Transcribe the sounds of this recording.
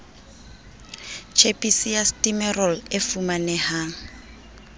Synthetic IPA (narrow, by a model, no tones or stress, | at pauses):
t͡ʃʰepʼisijastʼimɛrɔlefumanɛhaːŋ̩